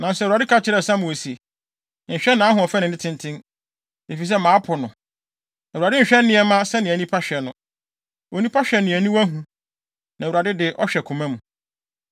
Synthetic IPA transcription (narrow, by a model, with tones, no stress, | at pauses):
nã˨n˨sɛ˦˨a˨dɪ˦kʰa˦t͡ɕʰɪ˨ɾɛ˦sã˦mũ˨o˨si˨e˨ | ɲ̩˨ɕᶣɛ˦nã˨˦ɦʊ̃˨ɔ˨fɛ˦nɪ̃˨nɪ̃˦tʰɪ̃˦ntʰɪ̃˦n | e˨fi˨s̬ɛ˦mãː˨˦pʰʊ˨nʊ̃˨ | æ˨a˨dɪ˦˨ɕᶣɛ˦n˦nɪ̃˦ɛ˦mã˦sɛ˦nɪ̃˨æ˨nĩ˦pʰa˦ɕᶣɛ˨nʊ̃˨ | o˨nĩ˦pʰa˦ɕᶣɛ˨nɪ̃˨æ˨nĩ˦wæ˦ɦũ˦ | nã˨a˨dɪ˦dɪ˨ʔɔ˦ɕᶣɛ˨kʰũ˨mã˦mũ˨